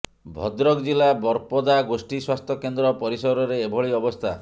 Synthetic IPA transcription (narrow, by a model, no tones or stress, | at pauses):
bʱɔd̪ɾɔkd͡ʒilabɔɾpɔd̪aɡosʈiswast̪ʰɔkend̪ɾɔpɔɾisɔɾɔɾeːbʱɔɭiɔbɔst̪ʰa